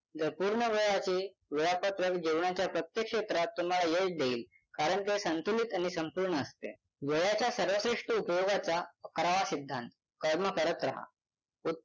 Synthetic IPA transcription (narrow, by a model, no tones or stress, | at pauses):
d͡z̪əɾpuɾɳəʋeɭat͡ɕe | ʋiɭapət̪ɾəkd͡ʑewɳat͡ɕjapɾət̪jekʂet̪ɾat̪ːum̤alajeʈd̪eiːl | kaɾəɳt̪esənt̪ulit̪aɽ̃isəmpuɾɳəːst̪ḛ | ʋeɭat͡ɕjasəɾʋəsɾiʂʈəupjoɡat͡saəkɾaʋasid̪ʱːant̪ | kəɾməkəɾət̪ɾa̰ɦa̰ | u